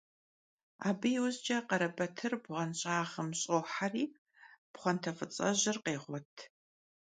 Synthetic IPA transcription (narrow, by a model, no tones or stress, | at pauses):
a̰ːbɨjwʊzd͡ʒɐqɐɾɐbɐtʰɨrbʁɐnɕʼaːʁəmɕʼoːħariː | b̥χʷɔntʰɐfɨt͡sʼɐ̰ʑɪrqeːʁʷɔtʰ